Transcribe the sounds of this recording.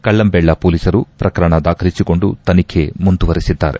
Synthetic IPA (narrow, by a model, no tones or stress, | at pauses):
kɐɭːɐmbɛɭːɐpoːlisɐɾupɾɐkɐɾɐɳɐd̪aːkʰɐlisiko̞ɳɖut̪ɐnikʰemund̪uʋɐɾisid̪ːa̰ːɾe̞̰